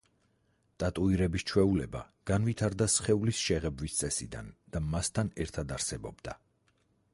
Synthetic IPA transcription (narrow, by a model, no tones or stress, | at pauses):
t̪ʼat̪ʼuiɾɛbist͡ʃʰwɛulɛba | ɡ̥anvit̪ʰaɾd̪asχɛulisʃɛʁɛbvist̪sʼɛsḭd̪a̰nd̪̥amast̪ʰanɛɾt̪ʰad̪aɾsɛbɔbd̪a